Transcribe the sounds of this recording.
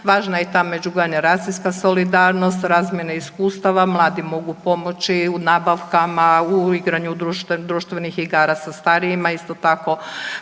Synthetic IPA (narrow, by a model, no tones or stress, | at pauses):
ʋaːʒnajet̪aːmed͡ʒuɡanaɾaːsiskaso̞lid̪aːɾno̞st̪ɾaːzmʲjenaiskuːst̪aʋamlˠaːd̪imo̞ɡupo̞mo̞t͡ʃiunaːbaʋkamauiɡɾaɲud̪ɾuʃd̪ɾuːʃt̪ʋenixiɡaːɾasast̪aɾijimaist̪ot̪ako̞